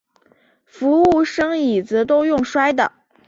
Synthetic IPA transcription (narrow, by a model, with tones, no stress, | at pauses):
fu˧˥u˥˩ʂɤ˥ŋi˨˩d͡zɹ̩˧˥t̪o˥ʊjʊ˥˩ŋʂwa˥ɪd̪ə̰˨